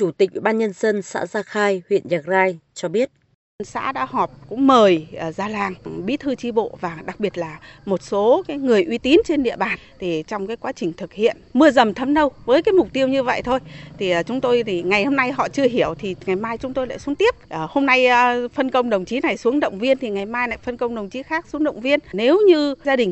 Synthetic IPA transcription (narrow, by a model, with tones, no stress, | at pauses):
t͡ɕu˧˩t̪i˨˩k̟̚wḭ˧˨ɓaː˧nɲə˧nzə˧nsa̰ː˧˥zaː˧xaː˧jhwḭ˧˨ənzaː˨˩k̚zaː˧jt͡ɕɔ˧ɓi˦˥ət̚ | nsa̰ː˧˥ɗa̰ː˧˥hɔ˨˩p̚kʊ̰˧˥ŋ͡mməː˨˩jəː˨˩zaː˧laː˧˩ŋɓḭ˧˥t̪ʰɨ˧t͡ɕi˧ɓo̰˧˨vaː˨˩ɗa˨˩k̚ɓi˨˩ət̚laː˨˩mo˨˩t̚so˨˦kaː˨˦jŋɨ˨˩əjʔwi˨˦t̪i˨˦nt͡ɕe˧nɗḭ˧˨əɓaː˨˩nt̪ʰi˨˩t͡ɕɔ˧wŋ͡mkaː˨˦jkwa˨˦t͡ɕï˨˩ŋ̟t̪ʰɨ˨˩k̚hḭ˧˨ənmɨ˧əzə˨˩mt̪ʰə˧mnə˧wvəː˨˦jkaː˨˦jmʊ˨˩k͡p̚t̪i˧əwɲɨ˧və̰˧˨jt̪ʰo˧jt̪ʰi˨˩˨t͡ɕʊ˨˦ŋ͡mt̪o˧jt̪ʰi˨˩ŋa˨˩jho˧mna˧jɦɔ̰˧˨t͡ɕɨ˧əɦi˧˩əwt̪ʰi˨˩ŋa˨˩jmaː˧jt͡ɕʊ˨˦ŋ͡mt̪o˧jla̰ː˧˨jsu˨˦ŋt̪i˦˥əp̚ʔəː˨˩ho˧mna˧jfə˧nkə˧wŋ͡mɗə˨˩wŋ͡mt͡ɕi˨˦na˨˩jsu˨˦əŋɗə̰˧˨wŋ͡mvi˧ənt̪ʰi˨˩ŋa˨˩jmaː˧jna˨˩jfə˧nkə˧wŋ͡mɗə˨˩wŋ͡mt͡ɕi˨˦xaː˦˥k̚su˨˦əŋɗə̰˧˨wŋ͡mvi˧ənne˨˦wɲɨ˧zaː˧ɗï˨˩ŋ̟